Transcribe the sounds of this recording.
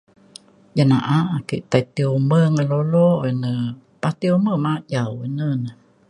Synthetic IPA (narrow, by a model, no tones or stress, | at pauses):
janaʔaʔakiʔt̪ajt̪iuməŋəloloinə | pat̪ioməmaʔjawənən